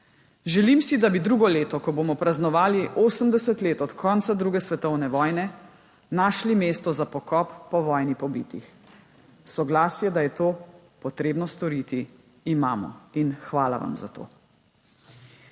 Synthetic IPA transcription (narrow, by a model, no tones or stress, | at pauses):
ʒɛlimsid̪abid̪ɾuːɡɔleːt̪ɔkɔboːmɔpɾaznɔʋaːliʔoːsəmd̪ɛsɛt̪leːt̪ɔt̪kʰɔnt̪sad̪ɾuːɡɛsʋɛt̪ɔwnɛʋɔːjnɛ | naːʃlimeːst̪ɔzapɔkɔpːɔʋɔːjnipɔbiːt̪ḭx | sɔɡlaːsjɛd̪ajɛt̪oː | pɔt̪ɾeːbnɔst̪ɔɾiːt̪iː | maːmɔ̰inxʋaːla̰ʋa̰mza̰t̪o̰ː